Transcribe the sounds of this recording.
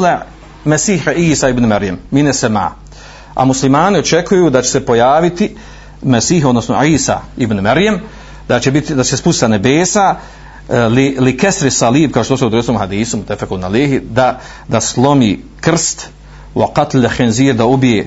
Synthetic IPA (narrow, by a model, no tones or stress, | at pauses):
le | mesiːhaiːsaibnumaɾjamːinesema̰ː | a̰muslimaːnio̞t͡ʃe̞kʰujuːd̪at͡ɕe̥sepo̞jaːʋit̪i | mesiːɦod̪nosno̰ʕiːsa̰ibnumaɾjam | d̪aebit̪id̪at͡ʃesespust̪i̥t̪anebeːsa | lilikest̪ɾisɑliːb̚kaoʃt̪osud̪ɾesnomhad̪iːsumut̪afekunaleːɦid̪a | d̪aslˠo̞miːkr̩st̪ | wa̰qat̪lxenziːɾd̪aubijeː